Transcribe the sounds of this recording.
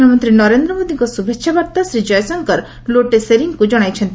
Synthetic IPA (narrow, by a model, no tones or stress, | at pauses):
amɔnt̪ɾinɔɾend̪ɾɔmod̪iŋkɔsubʱekːʃʰabaɾt̪asɾid͡ʒɔjsɔŋkɔɾ | loʈeseɾiŋkud͡ʒɔɽ̃ajt͡ʃʰɔnt̪